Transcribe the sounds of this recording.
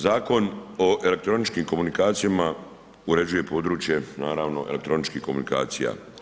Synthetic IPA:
zaːko̞no̞ʔe̞lek̚t̪ɾo̞nit͡ʃkiːmko̞munikaːt̪sijama | uɾe̞d͡ʑuje̞po̞ːd̪ɾuːt͡ʃje̞naːɾaːʋno̞ʔelekt̪ɾo̞nit͡ʃkihko̞munika̰ːt̪sija̰ː

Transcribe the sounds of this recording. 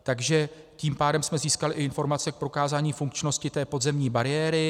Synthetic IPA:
t̪aɡʒɛ | ciːmpaːdɛmsmɛziːskalɪʔɪɪnfo̞ɾmat͡sɛk̚pɾo̞kaːzaːɲiːfuŋkt͡ʃno̞scɪt̪ɛːpo̞d̪zɛmɲiːbaɾɪjɛːɾɪ

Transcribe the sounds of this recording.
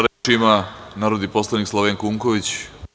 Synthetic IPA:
ɾimanaːɾod̪iposlˠanikslˠoʋenkuŋko̞ʋit͡ɕ

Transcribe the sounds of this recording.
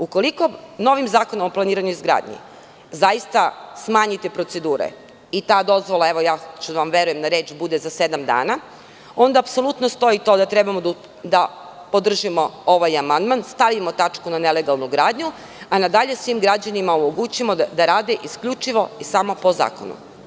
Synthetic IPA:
uko̞liko̞no̞ʋimzaːkonomoplˠaniːɾaɲuizɡɾa̰ːd̪ɲḭ | zajist̪asmaːɲit̪ipɾo̞t̪se̞d̪uːɾḛ | it̪aːd̪o̞zʋo̞lˠaeʋojaːt͡ʃuʋamʋe̞ɾuje̞md̪aɾe̞ːt͡ʃbud̪ezase̞d̪amd̪a̰ːna | o̞nd̪aːpso̞lˠut̪nost̪o̞it̪o̞d̪at̪ɾebamod̪ | d̪a | pod̪r̩ʒimo̞o̞ʋajamand̪manst̪aʋimot̪at͡ʃkunaneleɡalˠnuɡɾaːd̪ɲu | anad̪aʎe̞sʋimɡɾad͡ʑanimaomo̞ɡut͡ɕimod̪aɾaːd̪eʔiskʎut͡ʃiʋo̞isamo̞po̞za̰ːko̰nṵ

